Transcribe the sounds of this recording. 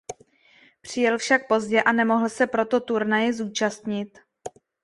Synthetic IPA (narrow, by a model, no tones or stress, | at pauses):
pr̝̥ɪjɛlfʃak̚po̞zɟɛʔanɛmo̞ɦl̩sɛpɾo̞t̪o̞t̪uɾnajɪzuːt͡ʃast̪ɲɪt̪